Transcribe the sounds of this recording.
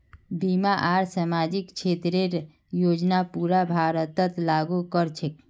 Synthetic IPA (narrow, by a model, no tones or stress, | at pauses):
bimaʔaɾsamad͡ʒikt͡ʃʰet̪ɾeɾ | jod͡ʒnapuɾabʱaɾət̪ət̪laɡukəɾt͡ʃʰek